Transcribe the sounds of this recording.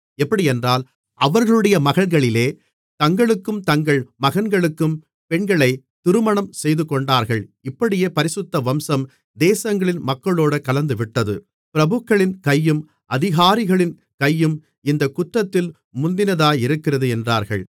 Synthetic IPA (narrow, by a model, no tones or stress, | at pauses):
ɛpːɐɽɪɛndraːl | ʔɐʋɐɾɣɐɭɯɽɐjɐmɐɣɐɭɣɐɭɪleː | t̪ɐŋɡɐɭɯkːɯmt̪ɐŋɡɐɭmɐɣɐnɡɐɭɯkːɯm | pɛɳɡɐɭɐɪ | t̪ɪɾɯmɐɳɐmsɛjðɯkːɔɳɖaːɾɣɐɭɪpːɐɽɪjeːpɐɾɪsɯt̪ːɐʋɐmsɐm | d̪eːsɐŋɡɐɭɪnmɐkːɐɭoːɽɐkɐlɐnd̪ɯʋɪʈːɐðɯ | pɪɾɐbɯkːɐɭɪnkɐjːɯm | ʔɐðɪɣaːɾɪɣɐɭɪn | kɐjːɯm | ɪnd̪ɐkːʊt̪rɐt̪ːɪl | mʊnd̪ɪnɐðaːjɪɾɯkːɪrɐðɯɛndraːɾɣɐ̰ɭ